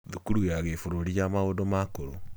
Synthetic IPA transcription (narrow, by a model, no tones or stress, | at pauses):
ðukuɾujaɣefoɾoɾijamaoːdomakoɾo